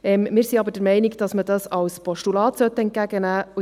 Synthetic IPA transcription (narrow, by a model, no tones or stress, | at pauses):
ɛmmɪːɾsiɑbəɾd̥əɾmɛɪnɪɡd̥ɑsmədɑsɑwspɔʃtulɑːt̪sœt̪ːəɛnt̚ɡ̥æɡənæː